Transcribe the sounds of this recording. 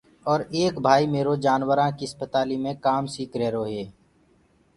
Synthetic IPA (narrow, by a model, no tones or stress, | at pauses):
ɔːɾeːkbʱaːimeːɾod͡ʒaːnwəɾãkiəspət̪aːlimẽkaːmsiːkɾɛːɾoːɦeː